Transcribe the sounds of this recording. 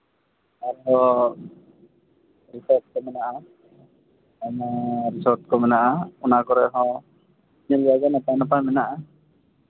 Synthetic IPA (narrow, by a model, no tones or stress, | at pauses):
aɾɛɦɔ | ɾisɔɾt̪̚kɔmɛnaʔa | anaɾisɔɾt̪̚kɔmɛnaʔaunakɔɾɛɦɔ | ɲəlaɡanap̪anapamɛnaʔa